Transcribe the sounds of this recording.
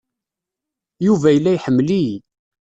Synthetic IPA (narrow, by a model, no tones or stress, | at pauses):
juvæjəlːæjħəmːli